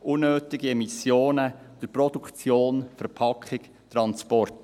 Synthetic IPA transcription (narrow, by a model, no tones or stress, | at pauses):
ʔunːøːt̪ɪɡiɛmisjoːnə | d̪̥əpɾɔd̥̪ukt͡sjoːnfɛɾpʰɑkχɪk | t̪ɾɑnspɔrt